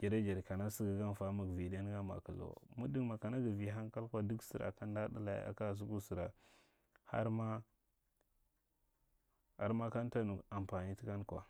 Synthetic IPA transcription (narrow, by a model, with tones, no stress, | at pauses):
d͡ʒe˨ɾa˦d͡ʒe˨ɾka˨na˦si˦ɡa˨ɡa˦nfa˦mu˨ɡvi˨de˦n˦ɡa˦ma̰˨ku˨lo̰˨mu˦di˦ŋma˨ka˨na˦ɡa˨vi˨ɦa˦nka˦lkʷa˦du˦ksi˨ɾa̰˨ka˦nda˦da˦la̰˨j̰a̰˨ka˦˨s̬u˦ku˦si˨ɾa˨ | ha̰˦ɾma˦ | a̰˦ɾma˦ka˦nta˦nu˨a˨m˨pa˨ni˦ti˦ka˦nkʷa̰˨